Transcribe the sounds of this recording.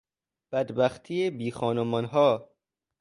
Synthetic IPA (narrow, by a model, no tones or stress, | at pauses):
b̥æd̪bæxt̪ʰiːebiːxɒːnomɒnɦɒː